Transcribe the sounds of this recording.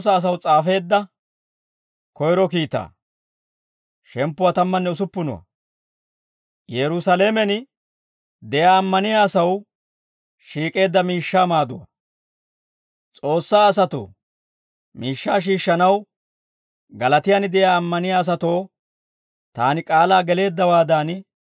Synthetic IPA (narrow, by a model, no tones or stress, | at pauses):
s̬ːaːs̬ɐwt͡sʼaːfe̞ːd̪ːɐ | kɔjɾɔkiːt̪ːa̰ː | ʃɛmpːʊwat̪ɐmːɐnːɛʊs̬ʊpːʊnʊwɐ̰ | jɛɾʊsɐleːmɛnɪ | d̪ɛjaːmːɐnɪjaːsɐw | ʃiːkʼe̞ːd̪ːɐmiːʃːaːmaːd̪ʊwɐ̰ | t͡sʼo̞ːsːaːɐs̬ɐt̪ʊ̰ | miːʃːaːʃ̬iːʃːɐnɐw | ɡɐlɐt̪ɪjanɪd̪ɛjaːɐmːɐnɪjaːs̬ɐt̪o̞ː | t̪aːnɪkʼaːlaːɡɛle̞ːd̪ːɐwaːd̪aːn